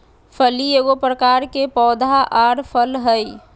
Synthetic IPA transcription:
pʰəlieɡopɾəkaːɾkepɔːd̪ʱaʔaːɾpʰəlɦəi

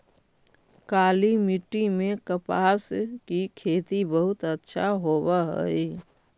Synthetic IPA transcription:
kaːlimɪʈːimẽkəpaːskikʰeːt̪ibəɦʊt̪ətːʃʰaɦoːwaɦə̰i

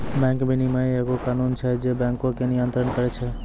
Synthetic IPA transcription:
bɛ̃ŋkbinimeeɡokanunt͡ʃʰɛd͡ʒebɛ̃ŋkõkenijənt̪ɾənkəɾɛt͡ʃʰɛ

